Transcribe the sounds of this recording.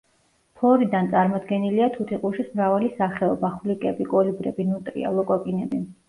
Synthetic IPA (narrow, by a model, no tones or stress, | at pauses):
pʰɔɾid̪ant̪sʼaɾmɔd̪ɡɛniliat̪ʰut̪ʰiqʼuʃismɾavalisaχɛɔbaχulikʼɛbikʼɔlibɾɛbinut̪ʼɾḭa̰lˠɔkʼɔkʼinɛbi